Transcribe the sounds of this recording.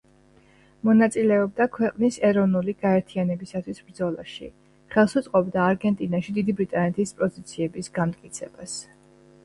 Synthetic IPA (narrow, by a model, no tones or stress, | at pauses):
mɔnat̪sʼilɛɔb̚d̪akʰwɛqʼnisɛɾɔvnuliɡaɛɾt̪ʰianɛbisat̪ʰwisbɾd̪zɔlˠa̰ʃḭ | χɛlˠsut̪sʼqʼɔbd̪aːɾɡɛnt̪ʼinaʃid̪id̪ibɾit̪ʼanɛt̪ʰispʼɔzit̪sʰiɛbisɡamt̪ʼkʼit̪sʰɛbas